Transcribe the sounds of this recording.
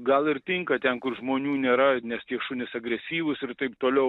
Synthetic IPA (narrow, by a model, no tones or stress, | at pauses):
ɡɐlˠɪrt̪ʲɪŋkɐt̪ʲɛnkʊrʒmoːnʲuːnʲeːɾɐnʲɛst̪ʲiɛʃʊnʲɪsɐɡɾʲɛsʲiːʋʊsɪrt̪ɐɪp̚t̪oːlʲɛʊ